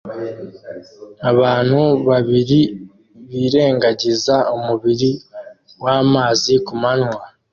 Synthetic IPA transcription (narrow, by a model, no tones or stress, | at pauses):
aβaːn̥huβaβiɾi | βiːɾe̞ːŋɡaɟizaumuβiɾi | waːmaːzikumanwa